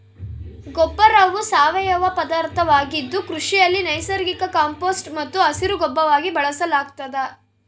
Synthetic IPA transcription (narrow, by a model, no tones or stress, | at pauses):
ɡɔbːɐɾɐʋusaːʋɛjɐʋɐpɐd̪aːɾt̪ʰɐʋaːɡid̪ːukɾuʂijɐlːinɐjsɐɾɡikɐkaːmpoːsʈmɐt̪ːuɐsiɾuɡɔbːɐʋaːɡibɐɭɐsɐlaːɡt̪ɐd̪ɐ